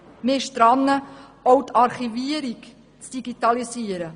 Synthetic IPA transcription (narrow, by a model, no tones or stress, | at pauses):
mɪʃt̪ɾɑnːəɔwtɑɾχiviəɾik | t͡sd̥iɡit̪ɑlisiəɾə